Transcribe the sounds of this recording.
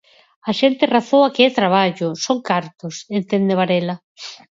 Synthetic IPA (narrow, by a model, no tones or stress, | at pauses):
aʃent̪ɪraθoakeɛt̪ɾaβ̞aʎʊsoŋkaɾt̪osent̪end̪eβaɾelɐ